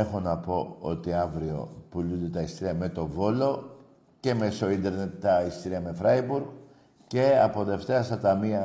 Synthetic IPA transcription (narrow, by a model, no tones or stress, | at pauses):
e̞xo̞nɐpo̞o̞t̪iɐvɾio̞̰pulund̪e̞t̪ɐist̪iɾiɐme̞t̪o̞vo̞lo̞ | ce̞me̞so̞ind̪e̞ɾne̞t̪ːɐist̪iɾiɐme̞fɾɐibuɾɣ | ce̞ɐpo̞ðe̞ft̪e̞ɐst̪ɐt̪ɐmiɐ